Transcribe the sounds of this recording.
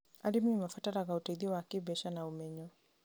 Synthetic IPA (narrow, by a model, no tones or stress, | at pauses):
aɾimiimafataɾaɣautaiðiwakibɛʃanaumɛɲɔ